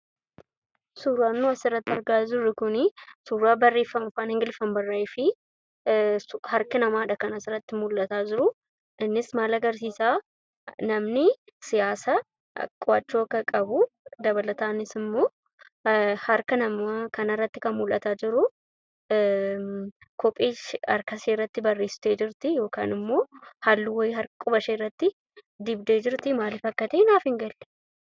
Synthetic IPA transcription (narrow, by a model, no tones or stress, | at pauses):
suːɾaːnːuɐsɪrːɐt̪ːɪɐɾɡaːd͡ʒɪrːɪkʊnɪsuːɾaːbɐrːe̞ːfːɐmʊfaːnhɪŋɡɪlfɐmbɐrːɐɪfɪ | hɐɾkɪnɐmaːᶑɐkɐnɐsɪrɐt̪ːɪmʊlʔɐt̪aːd͡ʒɪɾʊ | ɪnːɪsmaːlɐɡɐɾsiːsaː | nɐmnɪsɪjaːsɐ̰ | kʼʊat͡ʃːoːkɐkʼɐbʊd̪ɐβɐlɐt̪aːnɪsɪmːo̞ː | hɐɾkɐnɐmɐkɐnɐrːɐt̪ːɪkɐmmʊlʔɐt̪aːd͡ʒɪɾʊ | kɔpʼːiːt͡ʃɐ̰ɾkɐseːrːɐt̪ːɪbɐrːeːsɪ̥t̪e̞ːd͡ʒɪɾt̪ɪjo̞ːka̰ːnɪmːo̞ːhalːɪwɐjɪɦɐɾɐkʼʊbɐʃeːrːɐt̪ːɪ | d̪ɪbd̪e̞ːd͡ʒɪɾt̪ɪmaːlɪfɐkːɐt̪eːnaːfɪŋɡɐl̥ː